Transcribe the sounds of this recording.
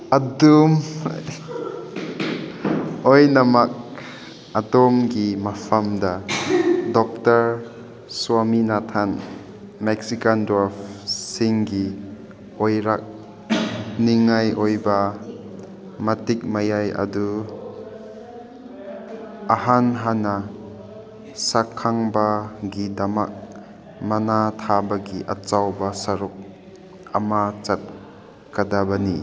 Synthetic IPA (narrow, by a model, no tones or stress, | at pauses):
adum | ojnamak̚ | adɔmɡimapʰamda | dɔk̚təɾ | swaminatʰan | mɛk̚sikandɾapsiŋɡi | ojɾak̚ | niŋajojba | mɐtik̚majajɐ̰du | aɦanɦana | sakʰːaŋbaɡid̪ama̰k̚ | mɐnat̪ʰabaɡiʔɐ̰t͡ʃawbasɐɾuk̚ | ɐ̰mat͡ʃat̪̚ | kad̪abani